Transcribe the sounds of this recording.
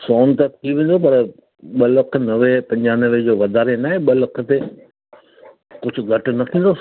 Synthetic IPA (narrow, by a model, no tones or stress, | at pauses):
soːnt̪ɐk̚t̪ʰiʋẽːn̆d̪opɐɾ | ɓɐlɐk̆ʰnɐʋepɐ̃ɲd͡ʑaːnəʋed͡ʑoːʋɐd̪ʱaːɾenaːɦeɓɐlɐkʰə̆t̪e | kʊd͡ʑʱʊ̆ɡʱɐʈʊ̆nɐt̪ʰĩːn̆d̪o